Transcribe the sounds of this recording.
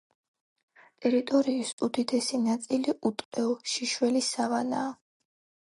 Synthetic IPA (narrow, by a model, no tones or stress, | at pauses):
t̪ʼɛɾit̪ʼɔɾiːst̪ʼud̪it̪ʰɛsinat̪sʼiliʔut̪ʼqʼɛɔʃiʃwɛlisavanaː